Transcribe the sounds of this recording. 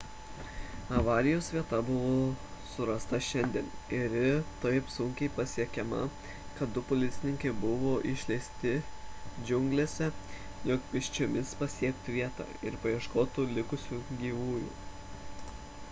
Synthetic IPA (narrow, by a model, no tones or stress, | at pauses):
ɐʋɑːɾʲɪjoːsʋʲiɛt̪ɐbʊʋoːsʊɾɐst̪ɐʃʲɛnʲd̪ʲiɛnɪɾɪt̪ɐɪpsʊŋʲkʲɛɪpɐsʲiɛkʲɛmɐ̰ | kɐt̪̚d̪ʊpʊlʲɪt̪sʲɪnʲɪŋʲkʲɛɪbʊʋoːʔɪʃʲlʲɛɪsʲt̪ʲɪd͡ʒʲʊŋʲɡlʲeːsʲɛ | joːkpʲɪʃʲt͡ʃʲoːmʲɪspɐsʲiɛk̚t̪ʲʋʲiɛt̪ɑ̰ːɪ̰ɾpɐjiɛʃkoːt̪ulʲɪkʊsʲuːɡʲiːʋuːjṵː